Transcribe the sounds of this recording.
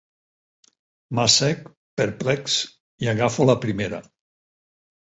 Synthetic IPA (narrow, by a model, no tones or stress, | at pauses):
masɛk | peɾplɛks | iaɣafolapɾimeɾa̰